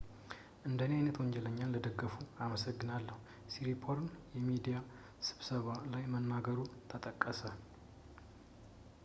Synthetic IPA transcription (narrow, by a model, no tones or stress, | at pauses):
ʔɨnd̪əneajnət̪wɔɲd͡ʒɛləɲːanləd̪əɡəfuaməsəɡːɨnalːəhu | siɾipʰoɾnjɛmid̪ija | sɨβsəβalajmənːaɡəɾut̪ʰət̪ʼəkʼːəsə